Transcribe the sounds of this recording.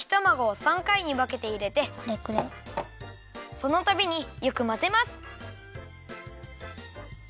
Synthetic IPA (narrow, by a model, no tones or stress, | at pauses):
çi̥t̪omaɡo̞sãŋkaiɲ̟iβake̞t̪e̞iɾe̞t̪e̞ɾekɯɾe | so̞no̞t̪abʲiɲ̟ijokɯ̟maze̞masɨ̥